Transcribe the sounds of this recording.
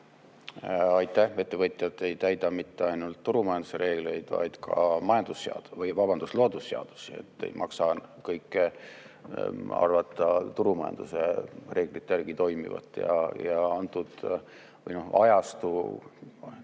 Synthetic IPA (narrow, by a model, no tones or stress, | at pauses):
ɑjt̪ːˑæhe̞t̪ːe̞vɤt̪ˑjɑt̪ːˑe̞jt̪æjd̪̥ɑmit̪ːeɑjnult̪ːuɾumɑjɑnd̪use̞ɾe̞ːɡ̥le̞jd̪̥vɑ̰jd̪̥kʰɑ̰mɑjɑnd̪usːeɑ̰d̪vɤjvɑbɑnd̪̥uslo̞ːd̪usːeɑ̰d̪̥u̥sie̞̰t̪ːe̞̰jmʔɑksɑkɤjkːˑe | ɑ̰rvɑt̪ːˑɑt̪uɾumɑjɑ̰nd̪̥use̞̰re̞ːɡ̥lit̪ːˑærɡ̥it̪o̞jmḭvɑ̰t̪ːˑjɑ̰jɑɑnt̪ːˑud̪̥ | vɤ̰jno̞hɑjɑst̪u